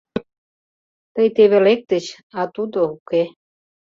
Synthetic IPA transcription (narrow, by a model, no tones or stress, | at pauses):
t̪əjt̪eβelek̚t̪ə̆t͡ɕ | ɑt̪ud̪ouke